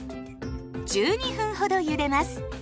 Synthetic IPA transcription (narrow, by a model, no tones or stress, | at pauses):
d͡ʑɨːɲ̟iɸɯ̟̃ɰ̃ho̞d̪o̞jɯ̟ɾe̞masɨ̥